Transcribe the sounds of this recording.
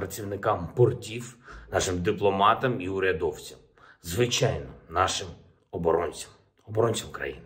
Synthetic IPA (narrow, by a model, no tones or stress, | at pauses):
pɾɐt͡sʲiwnɪkɑmpɔrtʲiwnɑʃɪmd̪ɪplˠɔmɑt̪ɐmiʊɾʲɐd̪ɔwt͡sʲɐm | zʋɪt͡ʃɑjnɔnɑʃɪm | ɔbɔɾɔnʲɐm | ɔbɔɾɔnʲt͡sʲɐwkɾɐ̰jinɪ